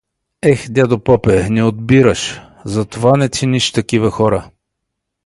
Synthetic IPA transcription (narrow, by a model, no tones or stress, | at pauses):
ɛxd̪ʲad̪opɔpɛnɛod̪biɾəʃ | zɐt̪ovanɛt̪sɛniʃt̪ɐkivəxɔɾə